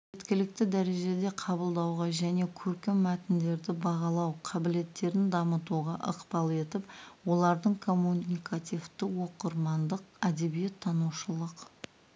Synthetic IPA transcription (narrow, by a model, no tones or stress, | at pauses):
ʒet̪kʲɪlɪk̚t̪ɪd̪æɾe̞ʒe̞d̪e̞qʰɑbəlˠd̪ɑwʁɑʒæne̞kʲʰɵɾkʲemːæt̪ɪnd̪e̞ɾd̪ɪbɑʁɑlˠɑwqʰɑbɪle̞t̪ːe̞ɾɪnd̪ɑmət̪uʁɑʔə̰qpɑlˠe̞t̪ɪpwo̞lˠɑɾd̪əɴkʰo̞mːunikat̪ijft̪ɪwo̞qəɾmɑnd̪əqæd̪e̞bije̞t̪ʰːɑnuwʃəlˠəq